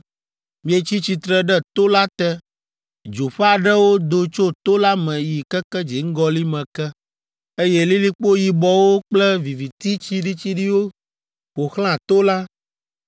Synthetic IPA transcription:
mĩ˦e˨t͡ɕi˦t͡ɕi˨t̪ɾɛ˨ɖɛ˦t̪o˦la˦t̪ɛ˦ | d͡ʒo˨ɸɛ˦a˨ɖɛ˦wo˦d̪o˦t͡ʃo˦t̪o˦la˦mɛ̃˨ji˨kɛ˦kɛ˦d͡ʒi˨˦ŋ̩˦ɡɔ˦li˦mɛ̃˨kɛ˦ | e˦jɛ˦li˦li˦k͡po˦ji˨bɔ˦wo˦k͡plɛ˦vi˨vi˨t̪i˦t͡ɕi˦ɖi˦t͡ɕi˦ɖi˦wo˦ | wo˨xl̃ã˦˨t̪o˦la˦

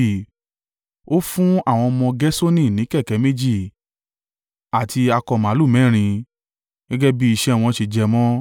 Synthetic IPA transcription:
o˦fũ˦a˦˨w̃ɔ̃˧mɔ̃˧ɡɛ˦so˦nĩ˦˨nĩ˨˦kɛ˦˨kɛ˨˦me˦d͡ʒi˦˨ | a˨tʰi˧a˧kɔ˧mã˨˦lu˦˨mɛ̃˨˦˨ɾ̃ĩ˧ | ɡɛ˦ɡɛ˦bi˦i˧ʃɛ˦˨w̃ɔ̃˧ʃe˧d͡ʒɛ˧mɔ̃˦

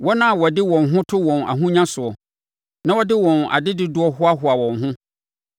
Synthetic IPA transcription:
wɔ˦nã˦˨wɔ˨dɪ˦wɔ̃˨nɦʊ̃˦tʰʊ˦wɔ̃˨na̰˨ɦʊ̃˦ɲã˦sʊ˨ɔ˨ | nã˦wɔ˦dɪ˦wɔ̃˨na̰˨dɪ˦dɪ˦dʊ˨˦ɔ˦ɦʊ˦a˦ɦʊ˨a˨wɔ̃˨nɦʊ̃˦

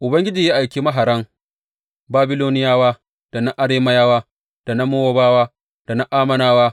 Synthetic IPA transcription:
ʔʊ˨bɐ˦ŋɡʲɪ˦d͡ʒiː˨ja˦ʔa˨jkʲiː˦ma˦ɦa˨ɾɐ˦ŋ | baː˦bɪ˦loː˦nɪ˦jaː˦waː˦ | d̥a˨na˦ʔa˦ɽeː˦mɐ˦jaː˦waː˦ | d̥a˨na˦mʊ˦woː˦baː˦waː˦ | d̥a˨na˦ʔaː˦mɐ˨naː˦waː˦

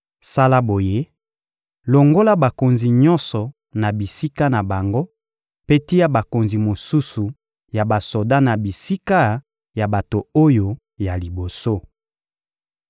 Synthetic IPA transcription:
sa˦la˦bo˨je˦ | lo˨ŋɡo˦la˦ba˨ko˨nzi˨ɲɔ˦nsɔ˨ | na˨bi˨si˦ka˦na˨ba˨ŋɡo˦ | pe˦ti˦ja˦ba˨ko˨nzi˨mo˨su˦su˨ | ja˨ba˨so˨da˦na˨bi˨si˦ka˦ | ja˨ba˨to˨o˦jo˨ | ja˨li˨bo˨so˦

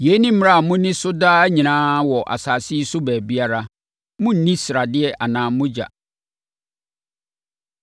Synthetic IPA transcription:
je˦nĩ˦m̩˦m˦a˦˨mʊ̃˦nɪ̃˦sʊ˦daː˦ɲĩ˨nãː˦wɔ˨ʔa̰˨saː˨sɪ˦sʊ˦bɛː˨bi˦a˦ɾa˦ | mʊ̃˦n̩˦nĩ˦sɪɾa˨dɪ˦ɛ˦ʔa˨nãː˨mʊ̃˦d͡ʑa̰˨

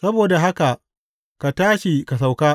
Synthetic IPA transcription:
sɐ˦boː˨da˨ɦa˦ka˨ʔ | ka˨taː˦ʃi˨ka˨s̬a˨wkaː˦

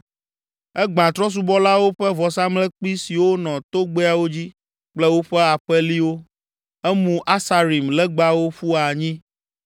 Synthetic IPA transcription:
ɛ˦ɡ͡bã˨t̪ɾɔ̃˦s̬u˦bɔ˦la˦wo˦ɸɛ˦vɔ˨sa˦mlɛ˦k͡pi˦si˨wo˦nɔ̃˨t̪o˦ɡ͡be˦a˨wo˦d͡ʑi˦ | k͡plɛ˦wo˦ɸɛ˦a˨ɸɛ˦li˦wo˦ | ɛ˦mũ˨ʔa˦sa˨ɾi˨mlɛ˦ɡ͡ba˦wo˦ɸu˦a˨ɲĩ˦

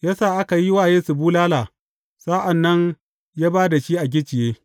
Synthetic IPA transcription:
jaː˦saː˦˨ʔa˦ka˨ji˦waː˦˨jeː˦su˨buː˦laː˦laː˨ | saː˦ʔa˨nːɐ˦ɲ | jaː˦baː˦da˨ʃi˦ʔa˨ɡʲɪ˦t͡ʃɪ˨jeː˦

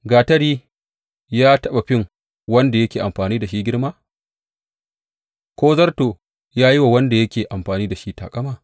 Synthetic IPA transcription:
ɡaː˨tɐ˦ɽiː˦ | jaː˦tɐ˦ɓa˨ɸɪ˦˨ŋ | wɐ˦nda˨jɐ˦kʲeː˨ʔa˨mɸaː˨niː˦da˨ʃi˦ɡʲɪ˦ɽmaː˦ | kʷoː˦zɐ˦rtoː˨ | jaː˦ji˦wa˨wɐ˦nda˨jɐ˦kʲeː˨ʔa˨mɸaː˨niː˦da˨ʃi˦ta̰ː˨kʼɐ˦maː˨

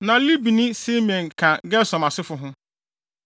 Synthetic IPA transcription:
nã˨li˦bi˨nĩ˦se˦mɛ̃˨kʰã˨ɡɛ˦sɔ̃˨ma˨sɪ˦fʊ˦ɦʊ̃˦

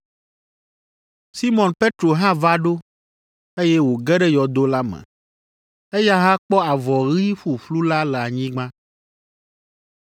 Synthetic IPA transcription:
si˦mɔ̃˨npe˦t̪ɾo˨ɦã˦va˦ɖo˦ | e˦jɛ˦wo˨ɡɛ˦ɖɛ˦jɔ˨d̪o˦la˦mɛ̰̃˨ | e˦ja˦ɦã˦k͡pɔ˦a˨vɔ˨ɣi˦ɸu˨ɸlu˦la˦lɛ˨a˨ɲĩ˦ɡ͡bã˦

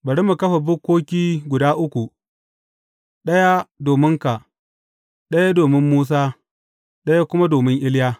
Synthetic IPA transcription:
bɐ˨ɽi˦mu˨kɐ˦ɸa˨bʊ˦kʷːoː˦kʲiː˦ɡʷʊ˨daː˦ʔʊ˦kʷu˨ | ɗɐ˦ja˦doː˨mɪ˦ŋka˨ | ɗɐ˦ja˦doː˨mɪ˦mːuː˦s̬aː˦ | ɗɐ˦ja˦kʷʊ˦ma˦doː˨mɪ˦ŋʔɪ˦ljaː˦

